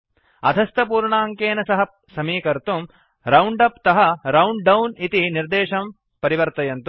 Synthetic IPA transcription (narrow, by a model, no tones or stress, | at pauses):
ɐ̰d̪ʱɐst̪ɐpuːɾɳaːŋkeːnɐsɐɦɐ | sɐmiːkɐɾt̪um | ɾɐwɳɖɐpt̪ɐɦɐɾɐwɳɖɖɐwnit̪iniɾd̪eːʃɐm | pɐɾiʋɐɾt̪ɐjɐnt̪u